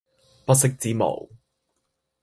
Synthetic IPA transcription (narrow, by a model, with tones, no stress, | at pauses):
pɐ˥t̚sɪ˥k̚t͡siː˨˥mo̰˨˩w